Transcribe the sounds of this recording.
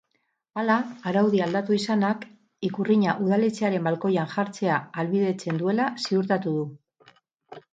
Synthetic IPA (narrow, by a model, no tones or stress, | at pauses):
alaːɾawð̞iald̪at̪uisanak | ikuriɲaʔuð̞alet͡se̞aɾe̞mbalko̞janʝaɾt͡se̞aːlβiðe̞t͡se̞nd̪ue̞lasiuɾt̪at̪uð̞u